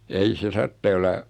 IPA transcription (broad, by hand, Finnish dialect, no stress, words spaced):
ei se tɑrtːeː olːɑ